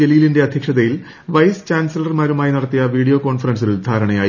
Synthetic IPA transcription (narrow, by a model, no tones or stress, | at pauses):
elijilinde̞ɐd̪ʱjɐkʂɐðɐjil | ʋɐjst͡ɕaːnsɐlɐrmaːɾumaːjinɐɽɐt̪ːijɐʋiːɽijo̞ːko̞ːɳfɐrɐns̬ild̪ʱaːɾɐɳɐjaːj